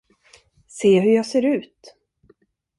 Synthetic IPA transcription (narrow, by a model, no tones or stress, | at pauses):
seːɦɵɾjɑːɡseːɾʉ̟ːt̪